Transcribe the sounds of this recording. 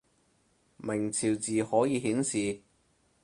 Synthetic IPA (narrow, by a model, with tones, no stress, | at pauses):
mɪ˨˩ŋt͡sʰiː˨˩wt͡siː˨hɔː˨˥jiː˨˧ɦiː˨˥nsiː˨